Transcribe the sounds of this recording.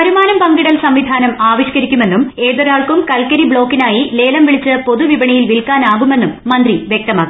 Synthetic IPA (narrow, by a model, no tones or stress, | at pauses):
ɐɾumaːnɐmpɐŋɡiɽɐlsɐmʋid̪ʱaːnɐmaːʋɐɕkɐɾikʲːume̞nːume̞ːðɐɾaːɭkumkɐlkɐɾibɭo̞ːkːinaːjile̞ːlɐmʋiɭit͡ɕːɨpo̞ðuʋibɐɳɐjilʋilkaːnaːɣume̞nːumːɐnd̪riʋjek̚t̪ɐma̰ːɣu